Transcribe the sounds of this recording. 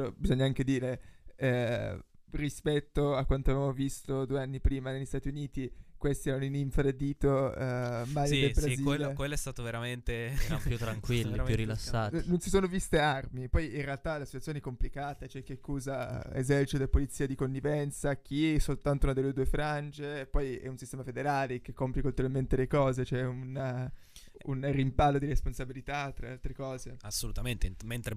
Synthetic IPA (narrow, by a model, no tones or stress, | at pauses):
obizoɲːaaŋked̪iːɾe | rispɛt̪ːoakwant̪oavevamovist̪od̪uːeanːipɾiːmanelʎːist̪at̪iuniːt̪ikwest̪iɛɾaniniɱfɾed̪iːt̪o | malid̪esbɾaziːelekwelːoɛst̪aːt̪oveɾament̪eajut̪ːɾaŋkwilːipjurilasːaːnonsisoːnovist̪earmipɔjinrealt̪alasit̪wat̪jonɛkːomplikaːt̪at͡ʃoɛk̟ːeakːuːzaḛzɛrt͡ʃit̪od̪epolit̪sːiːad̪ikonːivɛnt̪sak̟iɛsolt̪ant̪ounad̪elːed̪uefɾand͡ʒepɔjɛ̰unsist̪ɛːmafed̪eɾaːlek̟ekːompjikult̪uɾalment̪elekɔːzet͡ʃoɛun | ṵnrimpalːod̪iɾesponsabilit̪at̪ːɾaalt̪ɾekɔːzeasːolut̪ament̪ement̪ɾe